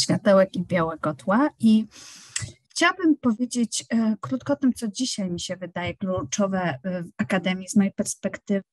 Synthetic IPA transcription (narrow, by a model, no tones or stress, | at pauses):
ɕfʲjat̪ɛwɛkibʲjawɛɡɔt̪wai | xt͡ɕawabɘmpɔvʲjed͡ʑet͡ɕkɾut̪̚kɔɔt̪ɘmt̪sɔd͡ʑiɕajmʲiɕɛvɘd̪ajɛklut͡ʂɔvɛvakad̪ɛmʲjizmɔjejpɛɾspɛkt̪ɘv